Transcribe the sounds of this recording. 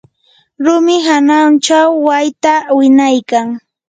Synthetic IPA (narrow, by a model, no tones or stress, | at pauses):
ɾʊmɪɦanant͡ʃawːajt̪awɪnajkaŋ